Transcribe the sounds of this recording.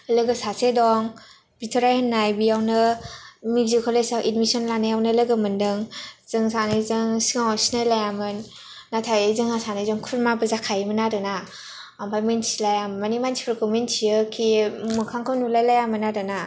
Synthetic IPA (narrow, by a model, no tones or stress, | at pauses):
lɯɡɯsasedɔŋ | b̥itʰɔɾajhanːajbijawnɯ | miɡzikʰɔlesawʔitmisɔnlanajawnɯlɯɡɯmɯndɯŋz̥ɯŋsanɯjzɯŋsiŋawsinɯlajamɯnː | atʰajezɯŋasanajzɔŋkʰuɾmabɯzakʰajmɯnaɾɯna | ampʰajmensilajammanimansʰi̥pʰɾkʰɔmensʰijɯkʰimɯkʰaŋkʰawnulajlajamɯnaɾɯna